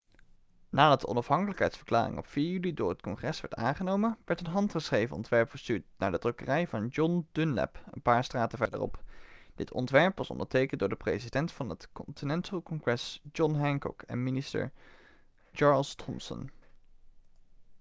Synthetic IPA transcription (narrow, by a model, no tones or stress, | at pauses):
naːdɑt̚dəɔnɑfɦɑŋkələkɦɛ̰jtsfə̥ɹkla̰ːrɪ̰ŋɔpfiːɹjylidʊːɹɦətkɔŋχrɛsʋɛ̰ɹta̰ːŋχənowmənʋɛɹtənɦɑntχəsχrejvənɔ̰ntʋɛɹpfəɹstyːɹt̚naːɹdədrøkərɛjvɑnd͡ʒɔnd̥ɵnlɛ̰pə̰npaːɹstraːtəvɛɹdə̰rɔ̰pd̥ɪtʰɔ̰ntʋɛɹpʋɑsɔ̰ndəɹtejkəndʊːɹdəprezidɛntfɑnətkɔntʰinɛntəlˠkɔŋχrɛsd͡ʒɔnɦɛŋkɔ̰kʰɛ̰nmɪnɪstə̰ɹ | t͡ʃɑɹlˠstʰɔmsə̰n